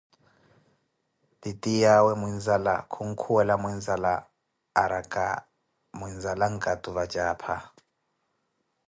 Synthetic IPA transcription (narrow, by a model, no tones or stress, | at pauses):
ditʼijawɛmwinzala̰kʰuŋ̩kʰuwɛlamwinzalaː | ɾakʼa̰ | mwinzalaŋ̩kʼatʼuβad͡ʒaːpʰa